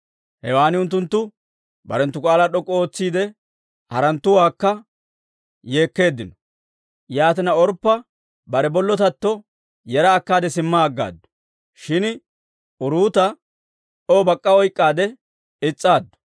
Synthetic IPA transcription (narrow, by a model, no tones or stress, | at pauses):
hɛwaːnɪʊnt̪̬ːʊnt̪ːʊ | bɐ̰ɾɛnt̪ːʊkʼaːlaɗɔkʼo̞ːt͡sːiːd̪ɛ | hɐɾɐnt̪ːʊwaːkːɐ | je̞ːkːe̞ːd̪ːɪnɔ̥ | jaːt̪ɪnɐɔɾpːɐ | bɐɾɛbɔlːɔt̪̬ɐt̪ːɔ | jɛɾɐːkːaːd̪ɛsɪmːaːɡːa̰ːd̪ːɔ̥ | ʃɪn | ʊɾuːt̪ɐ | ᶑobɐkʼːɐɔjkʼːaːd̪ɛ | ɪt͡sʼːaːd̪ːɔ̥